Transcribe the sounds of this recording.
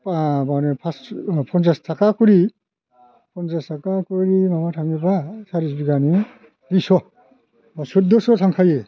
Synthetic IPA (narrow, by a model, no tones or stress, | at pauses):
pbanepʰaspʰɔnzastʰakakuɾi | pʰɔnzastʰakakuɾimabatʰaŋɡibasaɾizbiɡani | ɾisɔ | basut̚d̪ɔsɔtʰaŋkʰaje